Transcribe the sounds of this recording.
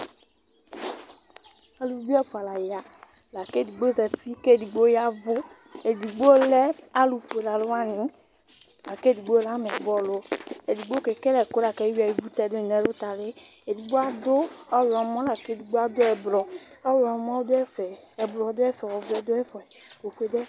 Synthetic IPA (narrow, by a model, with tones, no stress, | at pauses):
a˨lu˨˦du˦ɛ˦fa˨la˨ja˨ | la˨ke˦˨di˨ɡ͡bo˦zɛ˨ti˦ke˦˨di˨ɡ͡bo˦ja˦vo˦ | e˨di˨ɡ͡bo˦lɛ˦a˦lu˨fe˨la˨lo˦a˦nĩ˨˦ | la˨ke˦di˨ɡ͡bo˦la˦mɛ˨bɔ˦lo˦e˨di˨ɡ͡bo˦ke˨ke˦lɛ˨ko˦la˨kɛ˨˦wi˦a˨ji˨˦ɡu˦t̪ɛ˦˨d̪o˦˨nɛ̃˨˦lo˦t̪a˨le˦ | e˨di˨ɡ͡bo˦a˦d̪o˦ɔ˦lɔ˨˦mɔ̃˦la˨ke˦˨di˨ɡ͡bo˦a˦d̪o˦ɛ˨blɔ˨ɔ˦wɔ˨˦m˦ɔ̃˦d̪o˦ɛ˦fɛ˨ɛ˨blɔ˨˦d̪o˦ɛ˦fɛ˨wɔ˨vɛ˦d̪o˦ɛ˦fɔ˨ɛ˨o˨fu˨˦e˨de˦